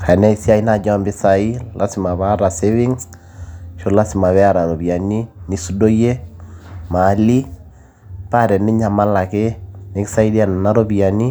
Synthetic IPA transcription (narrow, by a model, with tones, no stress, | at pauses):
kʰa˨nɛ˦i˦si˦a˦i˦na˨d͡ʒɔ˦a˨mbɪ˦sa˨i˦lʔa̰˦sɪ˨ma˨βa˦ɾa˨sewɪ˦ŋs | ʃo˦la˦sɪ˨ma˨βɛ˦a˦ɾa˨ɾo˨bi˨a˨ni˦ni˦su˦do˦jɛ˦ | ma˨˦li˦ | pa˦˨ɾɛ˨nɪ˦ɲa˨ma˦la˨kɛ˦nɪ˦ksa˦i˦di˦a˨na˨na˦ɾo˦bi˨a˨ni˦